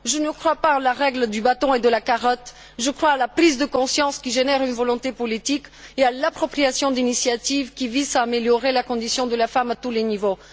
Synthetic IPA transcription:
ʒənəkχwapaːlaʁɛɡld̪ybat̪ɔ̃ed̪əlakaʁɔt̪ | ʒəkχwaːlapχizd̪əkɔ̃sjɑ̃skʲiʒenɛʁynvɔlɔ̃t̪epɔlit̪ikealapχɔpχiasjɔ̃d̪inisjat̪ivkʲivizaːmeljɔʁelakɔ̃d̪isjɔ̃d̪əlafamat̪ulenivo

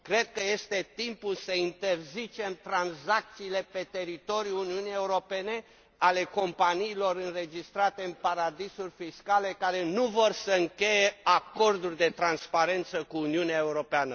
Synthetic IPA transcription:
kɾe̞d̪̚kəje̞st̪e̞t̪impulsəint̪e̞rzit͡ʃe̞mt̪ɾanzak̚t̪siːle̞pe̞t̪e̞ɾit̪o̞ɾjuuniunijeuɾo̞pe̞ne̞ | ale̞ko̞mpaniːlo̞ɾɨnre̞d͡ʒist̪ɾat̪e̞ɨnpaɾad̪isurʲfiskale̞kaɾe̞nuvo̞rsəɨŋkʲe̞je̞ako̞rd̪urʲd̪e̞t̪ɾanspaɾe̞nt̪səkuːniuneae̞uɾo̞peanə

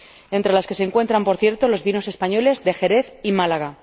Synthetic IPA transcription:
e̞nt̪ɾe̞laske̞se̞ŋkwe̞nt̪ɾampo̞ɾθje̞ɾt̪o̞lo̞zβino̞se̞spaɲo̞le̞zd̪e̞xe̞ɾe̞θimalaɣ̞a

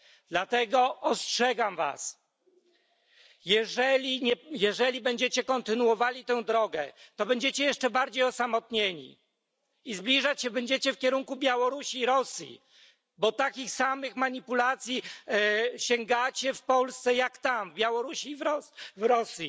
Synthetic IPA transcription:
d̪̥lat̪ɛɡɔɔstʂɛɡamva̰s | jɛʐɛlʲiɲɛjɛʐɛlʲibɛɲd͡ʑɛt͡ɕɛkɔnt̪ɘnuwɔvalʲit̪ɛ̃w̃d̪ɾɔɡɛt̪ɔbɛɲd͡ʑet͡ɕɛjɛʂt͡ʂɛbaɾd͡ʑejɔsamɔt̪ɲeɲḭ | izblʲiʐat͡ɕɕɛbɛɲd͡ʑet͡ɕɛfkʲɛɾuŋkubʲjawɔɾuɕiːɾɔsjḭ | bɔt̪akʲixsamɘxmaɲipulat̪sʲji | ɕɛŋɡat͡ɕɛfpɔlst̪sɛjakt̪amvbʲjawɔɾuɕivɔvɾɔsjḭ

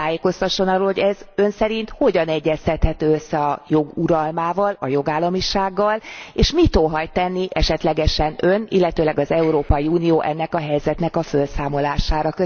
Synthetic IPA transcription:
aːjeːko̞st̪ɒʃːo̞nɒrɾoːlhoɟɛzø̞nsɛɾint̪ho̞ɟɒnɛɟːɛst̪ɛt̪hɛt̪øːøsːɛɒjo̞ɡuɾɒlmaːvɒlɒjo̞ɡaːlːɒmiʃaːɡːɒleːʃmit̪oɦɒjt̪ɛnːiʔɛʃɛt̪lɛɡɛʃɛnønḭlːɛt̪øːlɛɡɒzɛuɾoːpɒjiuːnijoːʔɛ̰nːɛkɒɦɛjzɛt̪nɛkɒfølsaːmo̞laːʃaːɾɒkø

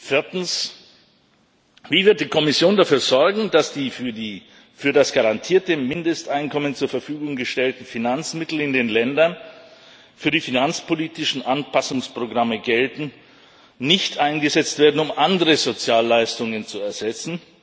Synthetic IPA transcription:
fɪɐtn̩s | v̥iːvɪɐt̚d̥iːkʰɔmɪsjoːndafyːɐzɔɐɡŋ̩dasd̥iː | fyːɐdasɡ̥aʁantʰiːɐtəmɪndəstʔaɪnkʰɔmənt͡suːɐfɛɐfyːɡʊŋɡəʃtɛltn̩finant͡smɪtl̩ɪndeːnlɛndɐn | fyːɐdiːfinant͡spoliːtɪʃn̩ʔanpʰasʊŋspʁ̥oɡʁaməɡɛltn̩ | nɪçtʔaɪnɡəzɛt͡stv̥eːɐdn̩ʊmʔandəʁəzot͡sjaːlːaɪstʊŋənt͡suɛɐzɛt͡sn̩

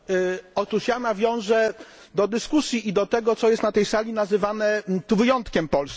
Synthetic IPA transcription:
ɔt̪uʂjanavʲjɔ̃w̃ʐɛ | d̪ɔd̪ɘskusʲjiʔid̪ɔt̪ɛɡɔt̪sɔjɛst̪nat̪ɛjsalʲinazɘvanɛt̪uvɘjɔnt̪kʲɛmpɔls

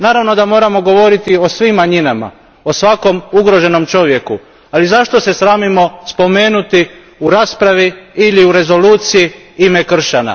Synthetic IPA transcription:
naːɾaʋno̞d̪amo̞ːɾamo̞ɡo̞ʋo̞ɾit̪io̞sʋimːaɲinama̰ | o̞sʋako̞muɡɾo̞ʒe̞no̞mt͡ʃo̞ʋje̞ku | alizaʃt̪ose̞sɾaːmimo̞spo̞me̞ːnut̪i | uɾaːspɾaʋiiliuɾe̞zo̞luːt̪siji | ime̞kr̩ʃana̰

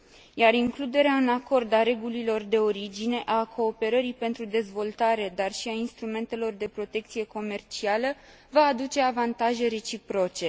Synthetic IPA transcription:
jaɾiŋklud̪e̞ɾeaɨnako̞rd̪aɾe̞ɡulilo̞rd̪e̞o̞ɾid͡ʒine̞ʔakʰo̞ːpe̞ɾəɾipe̞nt̪ɾud̪e̞zvo̞lt̪aɾe̞d̪arʃiainst̪ɾume̞nt̪e̞lo̞rd̪e̞pɾo̞t̪e̞kt̪sije̞ko̞me̞rt͡ʃialə | vaːd̪ut͡ʃe̞avant̪aʒe̞ɾe̞t͡ʃipɾo̞t͡ʃe̞

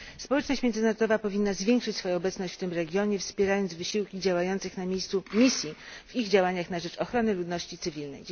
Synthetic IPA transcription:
spɔwɛt͡ʂnɔɕt͡ɕmʲjɛnɘnaɾɔd̪ɔvapɔvʲinːazvʲjeŋkʂɘt͡ɕʲsfɔjɔ̃ɔbɛt̪snɔɕt͡ɕft̪ɘmɾɛɡʲjɔɲɛfspʲjɛɾajɔnd̪zvɘɕiwkʲid͡ʑawajɔnt̪sɘxnamʲjejst̪sumʲisʲjiviɣd͡ʑawaɲaxnaʐɛt͡ʂɔxɾɔnɘlud̪nɔɕt͡ɕit̪sɘvʲilnɛ̰j

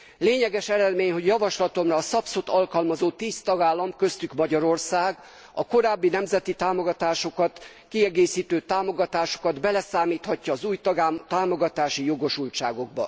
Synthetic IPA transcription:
leːɲɛɡɛʃɛɾɛd̪meːɲɦo̞ɟjɒvɒʃlɒt̪o̞mrɒːsɒpsot̪ɒlkɒlmɒzoːt̪iːst̪ɒɡaːlːɒmkø̞st̪ykmɒɟɒɾo̞rsaːɡ | ɒko̞ɾaːbːinɛmzɛt̪it̪aːmo̞ɡɒt̪aːʃo̞kɒt̪ | kiɛɡeːsiːt̪øːt̪aːmo̞ɡɒt̪aːʃo̞̥kɒd̪bɛlɛsaːmiːt̪hɒcːɒːzuːjt̪aːmo̞ɡɒt̪aːʃijo̞ɡo̞ʃult͡ʃa̰ːɡo̞ɡ̚bɒ̰

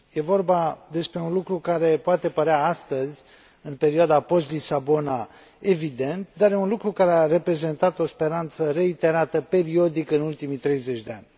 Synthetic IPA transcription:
je̞vo̞rbad̪e̞spɾe̞unlukɾukaɾe̞poat̪e̞pəɾeaast̪əzʲ | ɨnpe̞ɾiad̪apo̞st̪lisabo̞na | e̞vid̪e̞nt̪d̪arjeunlukɾukaɾeare̞pɾe̞ze̞nt̪at̪o̞spe̞ɾant̪səɾe̞it̪e̞ɾat̪əpe̞ɾio̞d̪ikəɨnult̪imit̪ɾe̞jze̞t͡ʃʲd̪ea̰nʲ

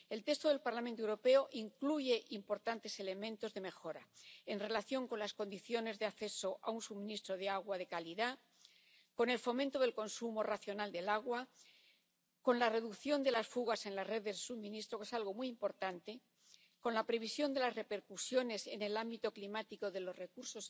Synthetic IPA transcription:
e̞lt̪e̞st̪o̞ðe̞lpaɾlamẽnt̪oewɾope̞oʔiŋkluʝe̞ʔimpo̞ɾt̪ant̪e̞se̞le̞mẽ̞nt̪o̞zðe̞me̞xo̞ɾae̞nre̞laθjo̞ŋko̞nlasko̞nd̪iθjo̞ne̞zðeaθe̞so̞ʔaunsumĩnist̪ɾo̞ðeaɣ̞waðe̞kaliða | ko̞ne̞lfo̞mẽnt̪o̞ðe̞lko̞nsumo̞raθjo̞nald̪e̞laɣ̞wa | ko̞nlare̞ðukθjo̞nd̪e̞lasfuɣase̞nlazre̞ðe̞lsumĩnist̪ɾo̞ke̞salɣo̞mujimpo̞ɾt̪ant̪e̞ | ko̞nlapɾe̞β̞isjo̞nd̪e̞lazre̞pe̞ɾkusjo̞ne̞se̞ne̞lambit̪o̞klimat̪iko̞ðe̞lo̞zre̞kuɾso̞s

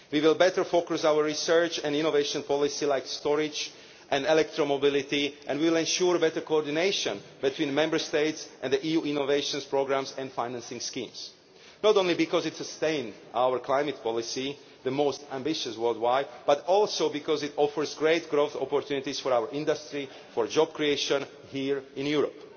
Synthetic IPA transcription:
wiwɪlˠbɛtə˞fokʊsawəɹɹisɜ˞t͡ʃɛ̃nĩnoveɪʃɔ̃npʰɔlɪsilaɪkstɔɹɪd͡ʒ | ʔɛ̃ndɛlɛk̚t̪ɹɔmobɪlɪtiʔɛ̰̃ndwiwɪlɛ̃nʃuɹbɛtəɹkoɔɹdineɪʃɔ̃nbit̪ʰwĩːnmɛ̃mbə˞steɪtsʔɛ̃nðəʔijuĩnoveɪʃɔ̃nspɹoɡɹãmsɛ̃ndfaɪnãnsɪ̃ŋskĩːms | nɔtõnlibikɔzɪtsəstẽɪ̃nd | ʔaʊwəɹkʰlajmɨt̚pʰɔlɪsi | ðəmostæ̃mbɪʃəswɜ˞ldwaɪbatɔlˠsoʊbikɔzɪtɔfəɹzɡɹeɪtɡɹoʊθɔpɔɹt̪ʰjunɪtisfɔɹawəɹʔɪ̃ndastɹi | fɔɹd͡ʒɔb̚kɹieɪʃə̃n | hiɹɪ̃njuɹɔp

